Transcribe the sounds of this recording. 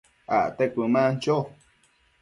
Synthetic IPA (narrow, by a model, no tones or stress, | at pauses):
a̰ʔt̪ekʷɨmãnt͡ʃo